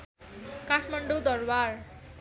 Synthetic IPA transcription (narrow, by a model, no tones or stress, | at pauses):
kaʈʰmaɳɖod̪ʌrbar